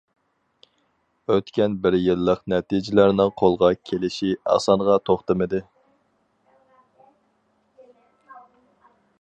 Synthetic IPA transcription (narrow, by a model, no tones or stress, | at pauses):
øt̪kʲɛnbɪɾjɪlˠːəqnɛt̪id͡ʒɪlæɾnɪŋqʰolˠʁɑkʲʰelɪʃiɑ̰sɑɴʁɑt̪ʰoχt̪ɨmɨd̪ɨ